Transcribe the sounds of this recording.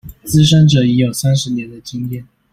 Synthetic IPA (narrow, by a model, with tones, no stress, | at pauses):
t͡sɹ̩˥ʂ̬ə˥nʈ͡ʂɤ˨˩i˧˥jo˨˩ʊsa˥nʂɻ̩˧˥njɛ˨˧˥nd̪ə˨t͡ɕi˥ŋjɛ˥˩˨n